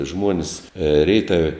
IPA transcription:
ˈʒmuɔnʲɪs ˈrʲɛɪtɐʋʲɛ

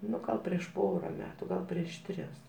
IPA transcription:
ˈnʊ ˈɡɐlˠ pʲrʲiɛʃ ˈpoːrɐ ˈmʲæːtʊ ˈɡɐlˠ pʲrʲiɛʃ ˈtʲrʲɪs

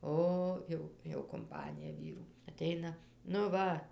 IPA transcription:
ˈoː ˈjɛʊ jɛʊ kʊmˈpɑːnʲɪjɛ ˈʋʲiːruː ɐˈtʲɛɪnɐ nʊ ˈʋɐ

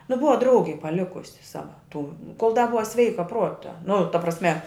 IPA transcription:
nʊ ˈbʊʋɐ ˈdrɐʊɡʲɛɪ pɐˈlʲɪkʊsʲɪ ˈsɑːʋɐ tuː koːlˠ dɐ ˈbʊʋɐ ˈsʲʋʲɛɪkɐ ˈpruɔtɐ nʊ tɐ prɐsʲˈmʲɛ

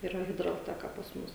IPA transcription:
iːˈrɐ ɣʲɪdrɐlʲˈtʲæːkɐ pɐs ˈmʊs

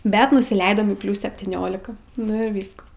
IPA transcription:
ˈbʲɛt nʊsʲɪˈlʲɛɪdoːm iː ˈpʲlʲuːs sʲɛpʲtʲiːˈnʲoːlʲɪkɐ ˈnʊ ɪr ˈʋʲiːskɐs

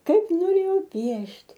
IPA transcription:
ˈkɐɪp noːˈrʲeːjɛʊ ˈpʲiɛʃʲtʲ

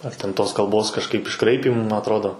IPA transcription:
ɐr tʲɛn ˈtoːs kɐlˠˈboːs kɐʃˈkɐɪp ɪʃˈkrɐɪpʲiːmuː mɐ ɐtˈroːdoː

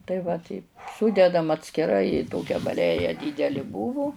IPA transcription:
tɐɪ ʋɐ ˈtʲɛɪp ˈsuːdʲɛdɐm ɐtʲsʲkʲɪˈrɐɪ ɪ ˈtoːkʲɛ bɐˈlʲæːjɛ ˈdʲiːdʲɛlʲɪ ˈbuːʋʊ

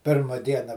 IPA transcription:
ˈpʲɪrmɐ ˈdʲiɛnɐ

